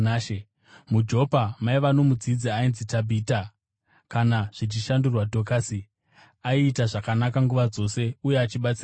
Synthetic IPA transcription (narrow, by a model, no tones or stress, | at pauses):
ʃe | mud͡ʒo̞pamaiʋano̞mud͡zid͡ziainzitabʱiːta | kanaʐ̥it͡ʃiʃandurwadʱo̞kasi | aiːtaʐakanakaŋɡuʋad͡zo̞se̞uje̞at͡ʃiɓat͡sira